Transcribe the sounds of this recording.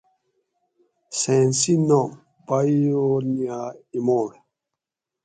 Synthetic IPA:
sɛ̃nsinɔ | baijoniaimɔɾ

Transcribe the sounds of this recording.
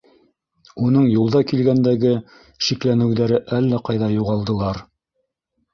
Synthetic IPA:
unɤɴjulˠd̪ɑkilɡænd̪æɡɘ | ʃiklænɘ̆wðæɾɘʔælːæqɑjðɑjuʁɑlˠd̪ɤ̆lˠɑɾ

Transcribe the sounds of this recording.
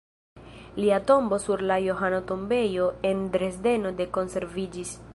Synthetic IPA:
liato̞mbo̞suɾlajo̞ɦanoto̞mbe̞jo̞e̞ndɾe̞sde̞no̞de̞ko̞nse̞ɾvid͡ʒis

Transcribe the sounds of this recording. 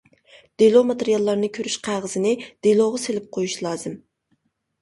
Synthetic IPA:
d̪̥elˠomɑt̪eɾijɑlˠːɑɾnɨkʲʰøɾyʃqʰæʁəzɨnɪd̪̥elˠoʁɑselɪp̚qʰojuʃlˠɑːz̥ɨm

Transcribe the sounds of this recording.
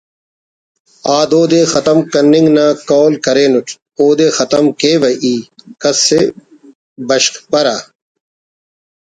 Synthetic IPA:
aːd̪oːd̪eːxɐt̪ɐmkɐnːɪŋɡnãːkɔːlkɐɾeːnuʈ | oːd̪eːxɐt̪ɐmkeːʋɐʔiːkɐsːe | bɐɕkpɐɾaː

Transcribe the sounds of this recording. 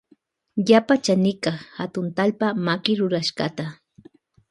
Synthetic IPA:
japat͡ʃanɪkɑχhat̪ʊnt̪alpamakɪɾʊɾaʃɢɑ̰t̪a

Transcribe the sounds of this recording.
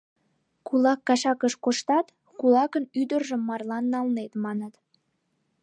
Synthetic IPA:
kulɑkːɑʃɑkəʃkoʃt̪ɑt̪ | kulɑkənyd̪ərʒə̆mːɑrlɑnːɑlnet̪mɑnət̪

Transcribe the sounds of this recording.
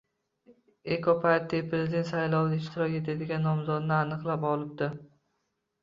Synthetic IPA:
ekʰopʰaɾt̪ːipʰɾezʲɪd̪ent̪sajlˠɒw̪aɪʃt̪ʰɪɾɒkʲet̪ʰed̪ɪɡʲanːɒmzɒd̪nɪanɨqlˠapɒlˠɪb̚d̪ɪ

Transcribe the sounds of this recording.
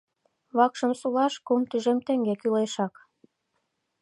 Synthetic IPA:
βɑkʃə̆msulɑʃkumt̪yʒemt̪ĕŋɡekyleʃɑk

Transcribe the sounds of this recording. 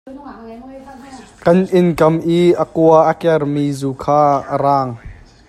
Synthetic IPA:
kɐnʔɪnkɐmʔiːʔəkuɐʔəkɛrmiːzuːkʰaːʔəɾaːŋ

